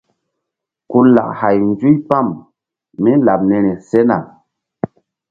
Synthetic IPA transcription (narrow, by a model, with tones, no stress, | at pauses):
ku˦la̰˨kha˨jnd͡zu˦jpa˦˨m | mi˦la˨p̚ne˨ni˨se˦na̰˨